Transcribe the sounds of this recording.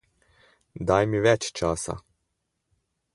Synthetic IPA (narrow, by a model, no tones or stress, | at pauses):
d̪ɑjmʲiʋɛt͡ʃt͡ʃɑsɐ̰